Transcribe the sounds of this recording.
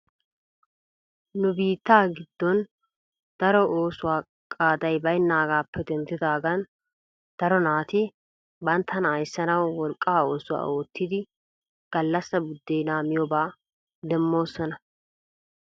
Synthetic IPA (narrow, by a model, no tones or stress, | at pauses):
nʊbiːt̪ːaːɡɪd̪ːɔn | d̪̥ɐɾɔʔoːsʊwaː | kʼaːd̪ɐjbɐjnːaːɡaːpːɛd̪ɛnt̪ɪd̪aːɡɐn | d̪̥ɐɾɔnaːt̪ɪ | bɐnt̪ʰːɐnɐjsːɐnɐwːɔlkʼːaːo̞ːsʊwa̰ːʔo̞ːt̪ːɪd̪ɪ | ɡ̥ɐlːɐsːɐbʊd̪ːejnaːmɪjɔbaː | d̪ɛmːo̞ːsːɔnɐ